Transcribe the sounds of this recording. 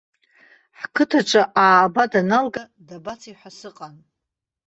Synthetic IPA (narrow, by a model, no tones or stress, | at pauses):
ħkʰɨtʰaʈ͡ʂʷʰʼaʔaːbadanalɡa | dabat͡sʰiħʷasɨqʼan